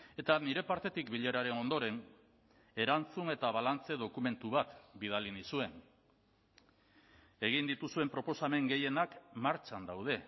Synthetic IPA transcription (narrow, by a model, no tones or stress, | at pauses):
e̞t̪aniɾe̞paɾt̪e̞t̪ikbiʎe̞ɾaɾe̞no̞nd̪o̞ɾe̞n | e̞ɾant͡sune̞t̪aβ̞alant͡se̞ð̞o̞kume̞nt̪uβat̪biðalinisue̞n | e̞ɣ̞ind̪it̪usue̞mpɾo̞po̞same̞ŋɡe̞je̞nakmaɾt͡ʃand̪awð̞e̞